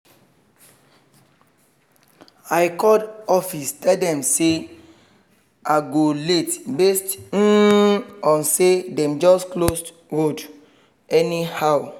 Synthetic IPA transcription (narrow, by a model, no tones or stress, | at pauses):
aɪkɔdɔfistʰɛldɛ̃mse | aɡoletbest̩ | ɔ̃nsedɛ̃md͡ʒɔsklost | ɹod | ɛnihaw